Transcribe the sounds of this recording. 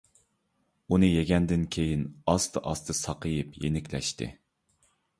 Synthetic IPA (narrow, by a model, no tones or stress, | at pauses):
unɨjeɡʲɛnd̪ɪnkʲʰejinɑst̪ʰɨʔɑst̪ʰɨsɑqəjɨpjḛnɪkʲlɛ̰ʃt̪ɨ̰